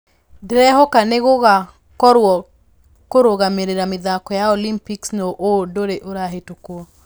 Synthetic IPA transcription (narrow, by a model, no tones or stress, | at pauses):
dɾɛɦɔkaneɣoɣa | kɔɾwɔ | koɾoɣameɾeɾameðakɔjaolimpiksnoʔodoɾeʔoɾaɦetokwɔ